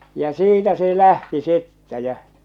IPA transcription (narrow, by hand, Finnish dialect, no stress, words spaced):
jɑ siːtæ se læhti sitːæ jæ